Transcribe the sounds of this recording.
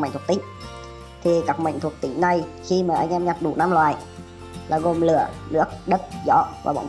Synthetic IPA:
ŋ̟t̪ʰt̪ï˧˦ŋ̟ | t̪ʰi˨˩kaː˦˥k̚mə̰˧˨ŋt̪ʰu˨˩ək̚t̪ï˧˦ŋ̟na˨˩j | xi˧maː˨˩ʔa˧jŋ̟ʔɛ˧mɲa˨˩t̚ɗu˧˩˦naː˧mlwaː˨˩j | laː˨˩ɣo˨˩mlɨ̰˧˩ənɨ˦˥ək̚ɗə˦˥t̚zɔ̰˧˦vaː˨˩ɓa̰˧˨wŋ͡m

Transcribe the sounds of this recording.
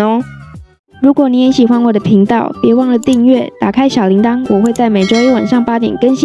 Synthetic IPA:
ɻu˧˥kwɔ˨˩ni˧˥jɛ˧˥nɕi˨˩xwa˧˥nwɔ˨˩d̪ə˩pʰi˧˥ŋt̪ɑ˥˨ʊpjɛ˧˥wɑ˥˩ŋlə˨˩t̪i˥˧ŋɥɛ˥˨t̪a˨˩kʰa˦ɪɕjɑ˨˩ʊli˧˥ŋt̪ɑ˥ŋwɔ˨˩xwe˥˧ɪt͡sa˥˩ɪme˨ɪʈ͡ʂo˥ʊ˥˩wa˨˩nʂɑ˥˩ŋpa˥t̪jɛ̰˨˩nkə˦˥nɕi˥

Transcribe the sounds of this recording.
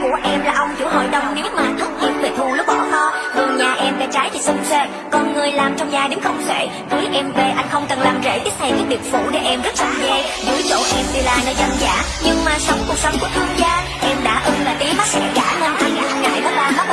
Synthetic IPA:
ku˧˩əʔɛ˧mlaː˨˩ʔə˧wŋ͡mt͡ɕṵ˧˥ɦo̰˧˨jɗə˨˧wŋ͡mni˨˦˥maː˨˩t̪ʰə˦˥k͡p̚ɲi˨˦˥n̚ve˨˩t̪ʰu˧˩lʊ˦˥k͡p̚ɓɔ̰˧˩hɔ̰˧˨zɨ˨˩ŋɲaː˨˩ʔɛ˧mɗa̰ː˧˥t͡ɕaː˨˦jvi˨˩sʊ˧ŋ͡mse˧ | kɔ˨˩nŋɨ˨˩əjlaː˨˩mt͡ɕɔ˧wŋ͡mzaː˧˩ɗe˨˦nxə˧wŋ͡msḛ˧˨ | zəː˨˦jʔɛ˧mve˨˩ʔa˧jŋ̟xə˧wŋ͡mkə˨˩nlaː˨˩mzḛ˧˥t͡ɕi˦˥t̚t̪ʰə˨˩ɲi˨˦˥k̚ɗi˨˩ət̚fṵ˧˩ɗe˧˩ʔɛ˧mzə˦˥t̚saː˨˩zɛ˧ | zɨ˨˧˦əjt͡ɕo̰˧˨ʔɛ˧mt̪i˧laː˧˨nəː˧jzə˧nza̰ː˧˩˥ | ɲɨ˧ŋmaː˨˩sə˨˦wŋ͡mku˨˩ək̚sə˨˦wŋ͡mku˨˩ət̪ʰə˧mzaː˧ | ʔɛ˧mɗa̰ː˧˥ʔɨ˧nlaː˨˩t̪i˨˦əma˦˥k̚ɛ̰˧˥zaː˧˩hə˧nʔa˧jɣa˧˩˨ŋa̰ː˧˨jɗɔ˨˦laː˨˩zʰa˦˥

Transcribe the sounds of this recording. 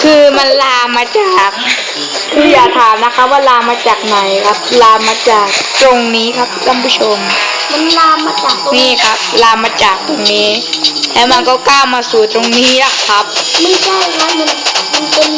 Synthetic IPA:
kʰɯː˧ma˧nlaː˧mːaː˧t͡ɕaː˨˩k̚ | kʰɯː˧jaː˨˩t̪ʰaː˨˩˦mna˦˥kʰa˦˥p̚waː˥˩laː˧mːaː˧t͡ɕaː˨˩k̚nɔ˨˩jkʰa˦˥p̚laː˧mːaː˧t͡ɕaː˨˩k̚t̪ɾo˧ŋniː˦˥kʰa˦˥p̚ʰkʰa˧˥˩mpʰuː˦˥t͡ɕʰo˧m | ma˧nlaː˧mːaː˧t͡ɕaː˨˩k̪̚o˧niː˧˩kʰa˦˥p̚laː˧mːaː˧t͡ɕaː˨˩k̚t̪o˧ŋniː˦˥lɛ˦˥wma˧nkɔː˥˩kaː˧˩wmaː˧suː˨˩t̪ɾo˧ŋniː˦˥la˨˩kʰːa˦˥p̚ma˧˨nt͡ɕʰa˥˩jkʰa˦˥p̚ma˧nma˧npe˧n

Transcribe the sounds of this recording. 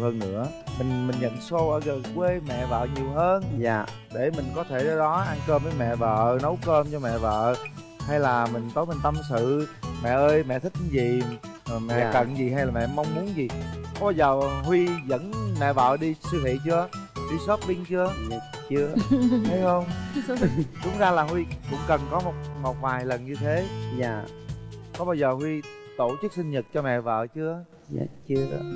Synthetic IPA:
whəː˧nnɨ̰˧˥ə | mï˨˩ŋ̟mï˨˩ŋ̟ɲə̰˧˨nso˧ʔəː˧˩ɣə˨˩kwe˧mɛ̰˧˨və̰ː˧˨ɲi˨˩əwɦəː˧nː˧˨ | ɗe˧˩mï˨˩ŋ̟kɔ˨˦t̪ʰe˧˩ɗə˨˧˦ɗɔ˨˦ʔa˧nkəː˧mvəː˨˦jmɛ̰˧˨və̰ː˧˨nə˨˦wkəː˧mt͡ɕɔ˧mɛ̰˧˨və̰ː˧˨ | ha˧jlaː˨˩mï˨˩ŋ̟t̪ə˨˦mə˨˩ŋ̟t̪ə˧msɨ̰˧˨mɛ̰˧˨ʔəː˧jmɛ̰˧˨t̪ʰï˦˥k̚zi˨˩˨ | mɛ̰˧˨kə̰˧˨nzi˨˩ɦa˧jlaː˨˩mɛ̰˧˨ma˧wŋ͡mmu˨˦ənzi˨˩kɓaː˧zəː˨˩hwi˧zə̰˧˥nmɛ̰˧˨və̰ː˧˨ɗi˧sɨ˧hḭ˧˨t͡ɕɨ˧ɗi˧so˦˥t̚ɓi˧˦ŋt͡ɕɨ˧ə | t͡ɕɨ˧əhə˨˦jxə˧wŋ͡m | ɗʊ˨˦ŋ͡mzaː˧laː˨˩hwi˧kʊ̰˧˥ŋ͡mkə˨˩nkɔ˨˦mo˨˩t̚mo˨˩t̚vaː˨˩jlə˨˩nɲɨ˧t̪ʰḛ˨˦˧ | kɔ˨˦ɓaː˧wzəː˨˩hwi˧ | t̪o˧˩t͡ɕɨ˦˥k̚sï˧ŋɲə˨˩t̚t͡ɕɔ˧mɛ̰˧˨və̰ː˧˨t͡ɕɨ̰˨˦˨ | t͡ɕɨ˧ə˨˦

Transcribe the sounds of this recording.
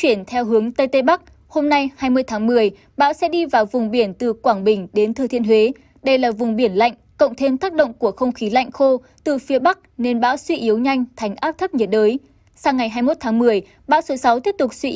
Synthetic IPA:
t͡ɕwi˧˩ənt̪ʰɛ˧wɦɨ˨˦əŋt̪ə˧jt̪e˧ɓa˦˥k̚ | ho˧mna˧jhaː˧jmɨ˧əjt̪ʰaː˨˦ŋmɨ˨˩əj | ɓa̰ː˧˥wsɛ̰˧˥ɗi˧vaː˨˩wvʊ˨˩ŋ͡mɓi˧˩ənt̪ɨ˨˩kwaː˧˩ŋɓï˨˩ŋ̟ɗe˨˦nt̪ʰɨ˨˩t̪ḭ˧˨ənhwe˨˦ | ɗə˧jlaː˨˩vʊ˨˩ŋ͡mɓi˧˩ənla̰˧˨jŋ̟kə̰˧˨wŋ͡mt̪ʰe˧mt̪aː˦˥k̚ɗə̰˧˨wŋ͡mku˧˩əxə˧wŋ͡mxi˨˦la̰˧˨jŋ̟xo˧ | t̪ɨ˨˩fi˨˦əɓa˦˥k̚ne˧nɓa̰ː˧˥wswi˧ʔi˨˦əwɲa˧jŋ̟t̪ʰa˨˩jŋ̟ʔaː˦˥p̚t̪ʰə˦˥p̚ɲə˨˩t̚ɗəː˨˦j | saː˧ŋa˨˩jɦaː˧jmo˦˥t̚t̪ʰaː˨˦ŋmɨ˨˩əj | ɓa̰ː˧˥wso˨˦sa˨˦wt̪i˦˥p̚t̪ʊ˨˩k͡p̚swi˧

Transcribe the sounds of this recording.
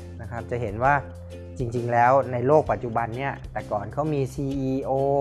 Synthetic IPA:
na˦˥kʰa˦˥p̚t͡ɕa˨˩ɦe˩˦nwaː˥˩ | t͡ɕi˧ŋt͡ɕi˧ŋlɛː˦˥wna˧jloː˥˩k̚pa˨˩t̪̚t͡ɕu˨˩ba˧nːi˦˥˩ɐt̪ɛː˨˩kɔː˨˩nkʰa˦˥wmiː˧siː˧ʔiː˧ʔoː˧

